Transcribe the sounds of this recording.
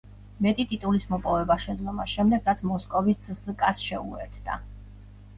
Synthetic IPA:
mɛt̪ʼit̪ʼit̪ʼulismɔpʼɔvɛbaʃɛd̪zd̪ɔmasʃɛmd̪ɛɡɾat̪sʰmɔskʼɔviszkʼasʃɛṵɛ̰t̪ʰd̪a̰

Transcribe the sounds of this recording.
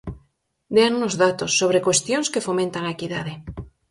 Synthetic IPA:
d̪eanunozðat̪osːoβ̞ɾekwest̪jõnskefomẽnt̪aŋaekiðaðe

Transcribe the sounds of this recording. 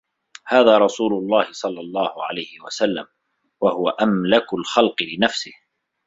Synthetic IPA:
haːðaːɾˤɑsuːlʊlˤːɑːhɪsˤɑlːɑlˤːɑːhʊʕa̰lajhɪwa̰salːam | wahʊwaʔamlakʊlxɑlqɨlɪnafsɪh

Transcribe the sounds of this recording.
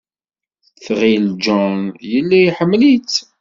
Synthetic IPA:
θʁild͡ʒɔnjəlːæjħəmːlit͡s

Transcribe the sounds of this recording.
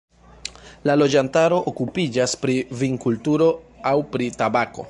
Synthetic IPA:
lalo̞d͡ʒantaɾo̞ʔokupid͡ʒaspɾiviŋkultuɾo̞awpɾitabako̞̰

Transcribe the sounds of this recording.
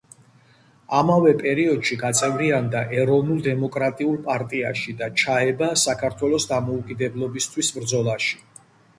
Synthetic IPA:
amavɛpʼɛɾiɔd̪̥ʃiɡat̪sʼɛvɾiand̪aʔɛɾɔvnulˠd̪ɛmɔkʼɾat̪ʼiulˠpʼaɾt̪ʼia̰ʃid̪at͡ʃʰaɛbasakʰaɾt̪ʰwɛlˠɔsd̪amɔukʼid̪ɛblˠɔbist̪ʰwisbɾd̪zɔlˠaʃi̥

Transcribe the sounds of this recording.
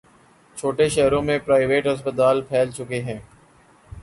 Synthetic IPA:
t͡ʃʰoːʈeʃɛɦɾõmẽpɾaːɪʋeːʈɦɐs̬pət̪aːlpʰɛːlt͡ʃʊkeɦɛ̃ː

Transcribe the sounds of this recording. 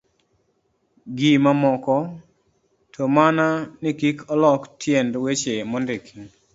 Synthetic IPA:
ɡimamɔkɔ | tʰɔmananɪkikʰɔlɔktʰjendwet͡ʃemɔndɪkʰiŋ

